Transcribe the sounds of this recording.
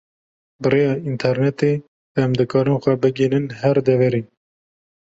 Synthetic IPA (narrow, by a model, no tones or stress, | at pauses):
bɨrejɑːint̪ʰɛɾnɛt̪e | ɛmd̪ɨkɑːɾɨnxʷɛbɨɡinɨnɦɛɾd̪ɛvɛɾiː